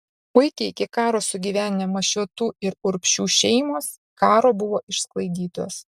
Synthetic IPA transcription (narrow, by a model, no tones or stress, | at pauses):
pʊɪkʲɛɪɪkʲɪkɑːɾoːsʊɡʲiːʋʲæːnʲɪnʲemɐʃʲuɔt̪uːɪɾʊɾʲpʲʃʲuːʃʲɛɪmoːs | kɑːɾoːbʊʋoːʔɪʃsklˠɐɪd̪ʲiːt̪o̰ːs